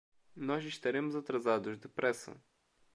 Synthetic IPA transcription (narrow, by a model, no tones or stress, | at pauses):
nɔʃiʃt̪ɐɾɛmzɐt̪ɾɐzad̪ʊʒd̪ɛpɾɛsə̰